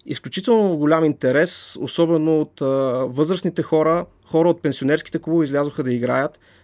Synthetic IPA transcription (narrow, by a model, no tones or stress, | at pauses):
ḭsklʲut͡ʃit̪ɛlˠnoɡʊlʲamint̪ɛɾɛso̰sɔbɛnoːt̪ːvɤzɾəsnit̪ɛxɔɾə | xɔɾəot̪̚pɛnsionɛɾskʲi̥t̪ɛkubizlʲazʊxəd̪ɐiɡɾajət̪